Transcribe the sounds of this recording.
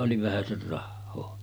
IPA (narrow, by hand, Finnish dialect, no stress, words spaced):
oli ʋæhæser rɑhːoː